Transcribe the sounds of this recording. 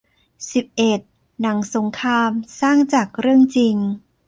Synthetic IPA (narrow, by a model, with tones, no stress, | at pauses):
si˨˩p̚ʔe˨˩t̪̚ | na˩˦ŋso˩˦ŋkʰaː˧msaː˥˩ŋt͡ɕaː˨˩k̚ɾɯ˥˩əŋt͡ɕi˧ŋ